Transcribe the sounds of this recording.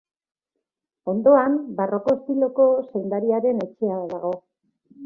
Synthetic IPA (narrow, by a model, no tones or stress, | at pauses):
o̞nd̪o̞ambaro̞ko̞est̪ilo̞ko̞sejnd̪aɾiaɾe̞ne̞t͡ʃe̞aðaɣo̞